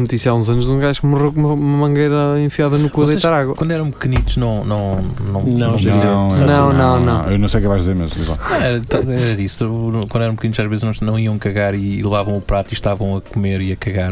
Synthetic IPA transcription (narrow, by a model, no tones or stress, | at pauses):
nut̪isjiaũzɐnuʒũɡajʃkumuʁeumɐumɐmɐ̃ŋɡɐjɾɐẽfiaðɐnukuɐðejt̪aɾaɣwɐwɐ̃nd̪wɛɾɐ̃w̃pɨkɨnit̪uʒ̥nɐ̃w̃nɐ̃w̃nɐ̃w̃nɐ̃eɐ̃nɐ̃w̃nɐ̃w̃nɐ̃w̰̃ewnɐ̃w̃sejkɛvajʒðizeɾmḛʒmlˠḭlˠa̰ɛɾɐt̪aɛɾɐisekwɐ̃nd̪wɛɾ̃p̚kɨnit̪zaʒvezʒnɐ̃w̃nɐ̃w̃iɐ̃w̃kɐɣaɾilˠɨvavɐ̃w̃upɾat̪iʃt̪avɐ̃w̃ɐkumeɾiɐkɐɣaɾ